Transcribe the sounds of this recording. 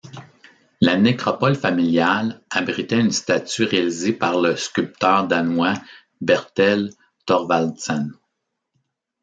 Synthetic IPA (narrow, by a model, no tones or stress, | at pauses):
lanekʁɔpɔlfamiljalabʁit̪ɛynst̪at͡syʁealizepaʁləskʲylp̚t̪œːʁd̪anwa | bɛʁt̪ɛl | t̪ɔʁvalsɛn